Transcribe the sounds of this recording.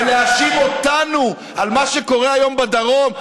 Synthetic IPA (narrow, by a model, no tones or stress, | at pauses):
leaʃimo̞t̪anu | almaʃeko̞ʁeajo̞mbad̪aʁo̞m